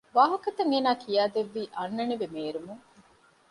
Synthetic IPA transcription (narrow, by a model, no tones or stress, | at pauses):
ʋaːɦɐkɐt̪ɐŋeːnaːkʰijaːd̪eʋːiːʔɐnːɐniʋemeːɾumuŋ